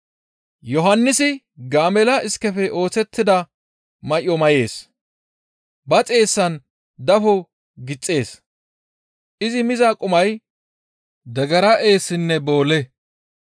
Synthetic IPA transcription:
jɔɦɐnːɪsɪ | ɡaːmɛlɐʔɪskːɛfɛʔo̞ːt͡sɛt̪ːɪd̪ɐ | mɐʔɔmɐje̞ːs | bɐt͡sʼe̞ːsːɐn | d̪ɐfɔ | ɡɪt͡sʼːe̞ːs | ʔɪzɪmɪzakʼʊmɐj | d̪ɐɡɐɾɐʔe̞ːsːɪnːɛbo̞ːlɛ

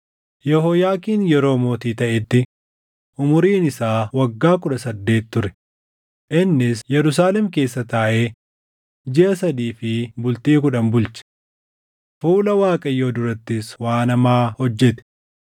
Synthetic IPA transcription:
jɛhojaːkiːnjɛɾo̞ːmo̞ːt̪iːt̪ɐʔɛt̪ːɪ | ʔʊmʊɾiːnɪsaːwɐɡːaːkʊᶑɐsɐd̪ːe̞ːt̪ːʊɾɛ̥ | ʔɪnːɪsjɛɾʊs̬aːlɛmke̞ːsːɐt̪aːʔeː | d͡ʒɪʔɐsɐd̪iːfɪbʊlt̪iːk̬ʊᶑɐmbʊlt͡ʃɛ̥ | fuːlɐwaːkʼɐjːoːd̪ʊɾɐt̪ːɪswaːnɐmaːhɔd͡ʒːɛt̪ɛ̥

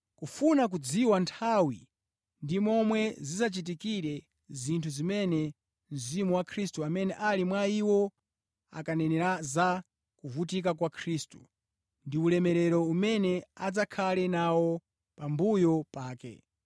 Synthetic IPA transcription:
kufunak̬ud͡ziwantʰawi | ndimɔmwɛzisat͡ʃit̬ikiɾɛ | zintʰuzimɛnɛ | m̩zimuwakʰɾistuamɛnɛʔalimwaiwɔ | a̰kanɛnɛɾaza | kuvutik̬ak̬wakʰɾiːstu | ndiulɛmɛɾɛɾɔumɛnɛad͡zakʰalɛnawɔ | pambujɔpaːkɛ̰

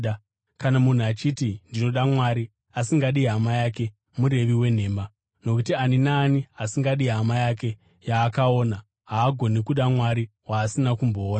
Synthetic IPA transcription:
kanamun̤uat͡ʃitindino̞ɗamwaɾi | asiŋɡaɗiɦamajake̞ | muɾe̞ʋiwe̞n̤e̞ːma | no̞kutianinaːniasiŋɡaɗiɦamajak̬e̞ | jaːkao̞ːna | ɦaːɡʱo̞nikuɗamwaɾiwaːsinakumbo̞ːna

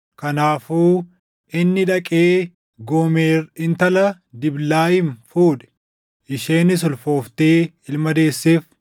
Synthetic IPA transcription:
kɐnaːfuː | ʔɪnːɪᶑɐkʼeː | ɡɔmeːrɪnt̪ɐlɐ | d̪ɪblaːɪnfuːᶑɛ̥ | ʔɪʃeːnɪs̬ʊlfo̞ːft̪eː | ɪlmɐd̪e̞ːsːeːf

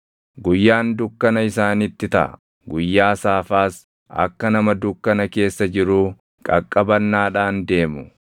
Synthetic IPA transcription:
ɡʊjːaːnd̪ʊkːɐnɐɪsaːnɪt̪ːɪt̪ɐ̰ʔɐ̰ | ɡʊjːaːsaːfaːs | ɐ̰kːɐnɐmɐd̪ʊkːɐnɐke̞ːsːɐd͡ʒɪɾuː | kʼɐkʼːɐbɐnːaːᶑaːnd̪e̞ːmʊ

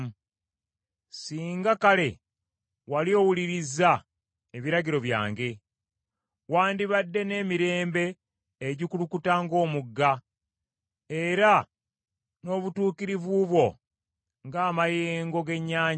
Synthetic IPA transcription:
siːŋɡakale̞ | walio̞ːwuliɾiza | eβiɾaɟiɾo̞βja̰ːŋɡe̞ | waːndiβadːe̞ne̞ːmiɾe̞ːmbe̞ː | ɟikulukutaŋɡo̞ːmuɡːa | e̞ɾa | no̞ːβutuːkiɾivuβwo̞ | ŋɡaːmajeːŋɡoɡe̞ɲːaː

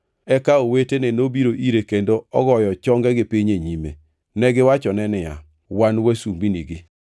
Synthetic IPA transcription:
ɛkaowetenenobiɾoʔiɾekendoɔɡɔjɔt͡ʃɔŋɡɛɡɪpiɲeɲimḛ | nɛɡɪwat͡ʃɔnɛnɪja̰ | wanwasumbiniɡi

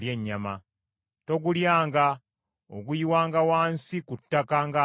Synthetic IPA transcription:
ljeɲːama̰ | to̞ɡuljaːŋɡa | oɡujiwaːŋɡawaːnsikutːakaŋɡa

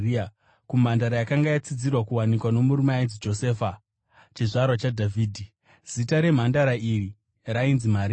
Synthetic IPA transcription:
i | kum̤andaɾajakaŋɡajat͡sid͡zirwakuwanikwano̞muɾumanzid͡ʒo̞se̞ːfa | t͡ʃiʐarwat͡ʃadʱavʱiːdʱi | z̥itaɾe̞m̤andaɾairi | rainzim̤aɾi

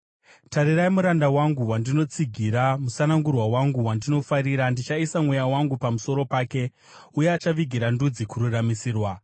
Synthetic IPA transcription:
taɾiɾaimuɾandawaŋɡuwandino̞t͡siɡʱiɾamusanaŋɡurwawaŋɡuwandino̞faɾiɾandit͡ʃaisamwejawaŋɡupamuso̞ɾo̞paːke̞ | ujeat͡ʃaʋiɡʱiɾandud͡zikururamisiːrwa

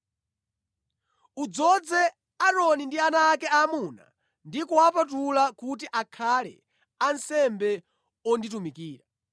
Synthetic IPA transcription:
ud͡zɔd͡zɛ | aɾɔnindianaːkɛamuna̰ | ndikuapatulakut̬iʔakʰalɛ̰ | ansɛmbɛ | ɔnditumikiːɾa

